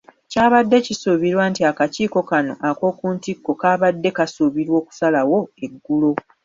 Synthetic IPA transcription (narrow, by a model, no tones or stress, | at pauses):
caːβadːe̞cisuβiɾwaːntiakaciːko̞kano̞̰ʔako̞ːkuːntikːo̞kaːβadːe̞kasuβiɾwo̞ːku̥salawo̞e̞ɡːulo̞